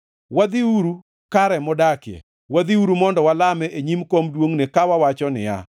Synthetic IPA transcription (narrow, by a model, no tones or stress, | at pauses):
wad̪iuɾu | kaɾɛmɔdakɪjɛ̰ | wad̪iuɾumɔndɔwalamɛʔeɲimkomdwoŋnekawawat͡ʃɔnɪ̰ja̰